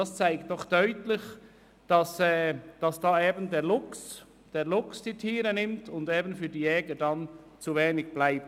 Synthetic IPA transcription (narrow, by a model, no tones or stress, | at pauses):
dɑst͡saɪktd̥ɔχd̥œʏtlɪç | d̥ɑsɛːd̥ɑsd̥ɑːeːbəndeːʁlʊks | d̥eːʁlʊksd̥iːtʰiːʁənɪmtʰʊndeːbənfyːdiːjɛːɡədan | t͡suveːnɪɡ̚b̥laɪp̚